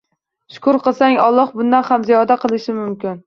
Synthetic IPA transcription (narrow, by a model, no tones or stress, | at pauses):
ʃʊ̥kʰʊɾqɨlˠsaŋɒlˠːɒhbʊnd̪anhamzijɒd̪aqʰɨlˠɪʃɪmʊmkʲɪn